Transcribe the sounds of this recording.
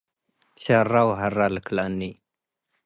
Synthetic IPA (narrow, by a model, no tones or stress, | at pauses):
t͡ʃarawɦaraləklanːi